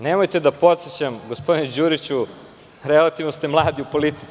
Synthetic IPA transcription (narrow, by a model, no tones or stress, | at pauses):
neːmojt̪ed̪apo̞t̪set͡ɕamɡospo̞d̪ined͡ʑuɾit͡ɕu | ɾelat̪ivnost̪emlˠaːd̪iupo̞lit̪i̥